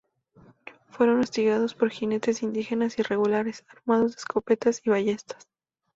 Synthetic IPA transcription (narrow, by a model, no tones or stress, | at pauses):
fwe̞ɾo̞nost̪iɣað̞o̞spo̞ɾxine̞t̪e̞sind̪ixe̞nasire̞ɣulaɾe̞saɾmað̞o̞zðe̥sko̞pe̞t̪asiβaʝe̞st̪ḁs